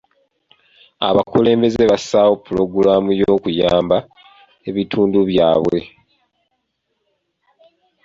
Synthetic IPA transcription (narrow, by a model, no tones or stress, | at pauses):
a̰βakule̞ːmbe̞ze̞βasaːwo̞pːulo̞ɡulaːmujo̞ːkujaːmba | e̞βitʰuːnduβjaːβwe̞